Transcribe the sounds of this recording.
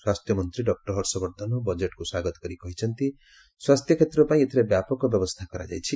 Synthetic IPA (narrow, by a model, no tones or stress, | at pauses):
swast̪jʌmʌnt̪ɾiɖʌk̚ʈʌrɦʌrsʌbʌɾd̪ʱʌnobʌd͡ʒeʈkoswaɡʌt̪ɡʌɾikʌɦit͡sʰʌnt̪i | swast̪ʰjʌkʰet̪rʌpaĩet̪iɾʌbjapɔkobjʌbʌst̪ʰakʌɾa̰d͡ʒa̰jt͡sʰi